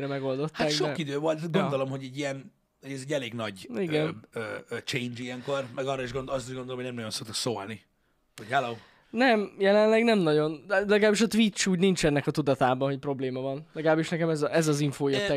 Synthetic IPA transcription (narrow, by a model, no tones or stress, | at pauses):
ɾɛmɛɡo̞ld̪o̞t̪hːaːɡdʃoid̪øːvo̞lt̪ɡond̪o̞lo̞mɦoɟɛɟːijɛn | hoɟɛzɛɟːɛleːɡnɒɟiɡɛnøt͡ʃejnd͡ʒiɛŋko̞rmɛɡɒrːɑiʒɡonɒst̪iʒɡond̪olomɦonɛmnɒjo̞nso̞k̚t̪o̥kso̰ːlni | hochɛloː | nɛmjɛlɛnlɛɡnɛmnɒɟo̞nlɛɡlaːbːiʃɒt̪ʋit͡ʃːuːɟnint͡ʃɛnːɛkɒt̪ud̪ɒt̪aːbɒɦoc̚pro̞bleːmɒvɒnlɛɡlaːbːiʃnɛkɛmɛzʔɛzɒziɱfoːjot̪ːɛ